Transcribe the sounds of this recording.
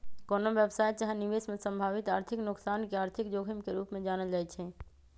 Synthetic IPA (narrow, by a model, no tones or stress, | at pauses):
koːnoʋjebsaːjt̪t͡ʃaɦɛniʋesmẽsə̃mbʱaːʋit̪aːɾt̪ʰɪknʊksaːnkeaːɾt̪ʰikd͡ʒoːkʰəmkeɾuːpmẽd͡ʒaːnəld͡ʒaːjt͡ʃʰɛ